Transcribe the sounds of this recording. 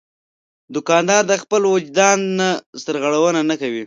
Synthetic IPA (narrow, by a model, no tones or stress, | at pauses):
d̪ʊkɑnd̪ɑɾd̪əxpəlwʊd͡ʒd̪ɑnːasəɾɣəɽawənanakawi